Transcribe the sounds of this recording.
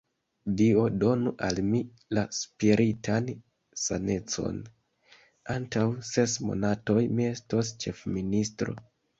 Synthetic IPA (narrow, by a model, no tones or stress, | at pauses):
dio̞do̞nuʔalmi | laspiɾʔitan | sane̞t͡so̞̰n | antawse̞smo̞̰nato̞jmie̞sto̞st͡ʃe̞fministɾo̞̰